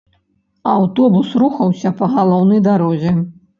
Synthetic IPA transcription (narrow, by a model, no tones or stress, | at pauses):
awt̪ɔbusɾuxɐwsʲɐpɐɣalˠɔwnɐjd̪aɾɔzʲɛ